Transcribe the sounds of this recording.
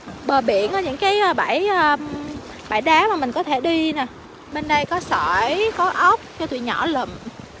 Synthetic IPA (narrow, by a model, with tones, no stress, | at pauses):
ɓəː˨˩ɓḭ˧˩˨ənʔəː˨˦ɲɨ̰˧˥ŋkaː˨˦jʔəː˨˧˩ɓaː˧˩˨jʔəː˧˩ | ɓa̰ː˧˩jɗaː˨˦maː˨˩mï˨˩ŋ̟kɔ˨˦t̪ʰe˧˩ɗi˧na˨˩ | ɓe˧nɗə˧jkɔ˨˦səː˧˨˩jkɔ˨˦ʔə˦˥wk͡p̚t͡ɕɔ˧t̪wḭ˧˨ɲɔ̰˧˩lə̰˧˩m